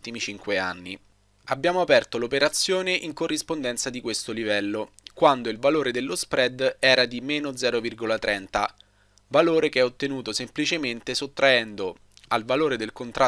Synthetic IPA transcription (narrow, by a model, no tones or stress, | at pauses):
t̪imit͡ʃiŋkwea̰nːi | abːjaːmoapɛrt̪olopeɾat̪sːjoːneʔiŋkorːispond̪ɛnt̪sad̪ikwest̪olivɛlːo | kwand̪oilvaloːɾed̪elːospɾɛd̪ɛːɾad̪imeːnod̪zɛːɾovirɡolat̪ɾʔɛnt̪a̰ | valoːɾekeɛot̪ːenuːt̪osemplit͡ʃement̪esot̪ːɾaɛnd̪o | alvaloːɾed̪elkont̪ɾa